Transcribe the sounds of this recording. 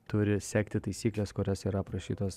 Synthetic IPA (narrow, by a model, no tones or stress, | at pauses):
t̪ʊɾʲɪsʲæːkt̪ʲɪt̪ɐɪsʲiːklʲeskʊɾʲɛsiːɾɐpɾɐʃʲiːt̪oːs